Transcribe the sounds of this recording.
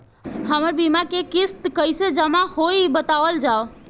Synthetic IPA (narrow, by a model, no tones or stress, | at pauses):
həməɾbimakekist̪kəjsed͡ʒəmahoibət̪aʋəld͡ʒao